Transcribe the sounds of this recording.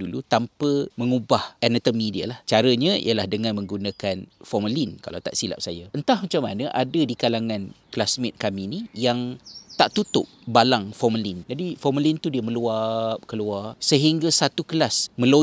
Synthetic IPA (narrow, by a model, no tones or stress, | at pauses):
dulut̪ampəməŋubahʔanat̪əmidiə̰laht͡ʃaɾəɲaḭjəlahdəŋanmə̃ŋɡunakanfɔməlinka̰la̰wt̪a̰ʔsila̰p̚sajaənt̪ahmat͡ʃamːa̰nəʔadədikalaŋãnkəlasmɪt̪̚kaminijaŋt̪aʔt̪ut̪ʊ̰ʔ̚balaŋfɔməlind͡ʒadifɔməlint̪udiəmə̃luap̚kəluasəɦiŋɡasat̪ukəlasmə̃lo